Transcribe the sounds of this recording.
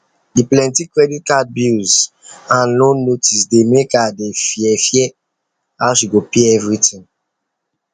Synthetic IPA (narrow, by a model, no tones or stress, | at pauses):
diplɛ̃ntikɹɛdit̚kat̚bilz | ãnlõnnotʰisdemekadefjɛfjɛ | aʊʃiɡopeɛvɹitʰĩŋ